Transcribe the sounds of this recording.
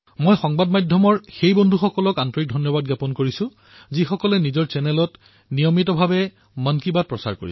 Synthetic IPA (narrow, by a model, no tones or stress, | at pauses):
mojxɔŋbadmajdʱɔmɔɹxejbɔndʱuxɔkɔlɔkantɔɹik̚dʱɔnjɔbad̚ɡjapɔnkoɹisʊ̃ | zixɔkɔlɛnizɔɹsɛnɛlɔt | nijɔmitɔbʱabɛ | mənkibat̚pɹɔsa̰ɹkoɹis